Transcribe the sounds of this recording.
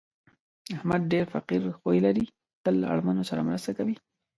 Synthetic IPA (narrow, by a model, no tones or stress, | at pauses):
ahmad̪̚ɖeɾfaqiɾxojlaɾi | t̪əla̰ɽmanosaɾamɾəst̪akawi